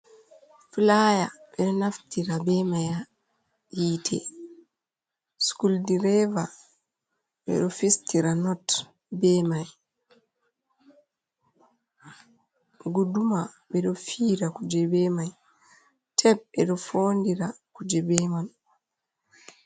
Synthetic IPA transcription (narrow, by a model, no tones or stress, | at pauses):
flajaɓɛɗɔnaftiɾabɛmaja | jiːtʰɛ̰ | skuldiɾɛva | ɓɛ̰ɗɔfistiɾanɔt | bɛmaj | ɡuduma | bɛɗɔfiːɾakud͡ʒɛbɛmaj | tʰɛb̚ɛɗɔfoːndiɾakud͡ʒɛbɛman